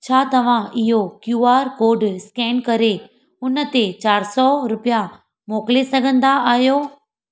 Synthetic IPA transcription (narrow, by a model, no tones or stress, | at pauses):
t͡ɕʰaːt̪ɐʋ̤ãɪɦokjuːaːɾkoːɾɖskɛ̃ːnkɐɾe | ʊnə̆t̪et͡ɕaːɾsɔɾʊpija | moːklesɐɡʱə̃nd̪aaːɦijoː